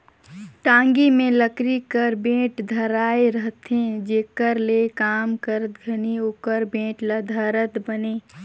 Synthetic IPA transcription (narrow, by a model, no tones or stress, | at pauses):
ʈãːŋɡimẽləkɾikəɾbẽːʈd̪ʱɐɾaːeɾəɦt̪ẽd͡ʒeːkəɾlekaːmkəɾət̪ɡʱɐnioːkəɾbẽːʈləd̪ʱaːɾət̪bəneː